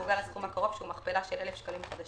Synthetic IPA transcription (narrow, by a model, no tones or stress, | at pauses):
uɡalasχumakaʁo̞v̥ʃumaχpelaʃelʔelefʃkalimχad̪a